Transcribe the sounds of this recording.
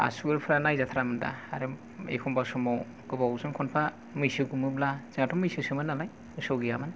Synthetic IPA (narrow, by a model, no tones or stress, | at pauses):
a̰suɡɯɾpʰɯɾanajzatʰaɾamɯnda̰aɾɯ | ḛjkʰɔmbasɔmɔw | ɡ̥ɯbawzɯŋkʰɔnpʰa | mɯjsɯɡumɯblaz̥ɯŋatʰɔmɯjsɯsɯmɯnːalaj | ɯsɔwɡijamɯn